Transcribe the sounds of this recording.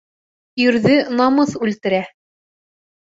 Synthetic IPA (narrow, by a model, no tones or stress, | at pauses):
ɵɾðɘnɑmɤθʉlt̪ɘ̆ɾæ